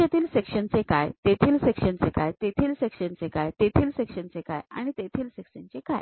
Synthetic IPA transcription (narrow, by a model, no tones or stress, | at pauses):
et̪iːlsekʂənt͡sekajt̪et̪ʰiːlsekɕənt͡sekajt̪et̪ʰiːlsekʂənt͡sekajt̪et̪ʰiːlsekʂənt͡seka̰ja̰ɽ̃it̪et̪ʰiːlsekʂənt͡seka̰j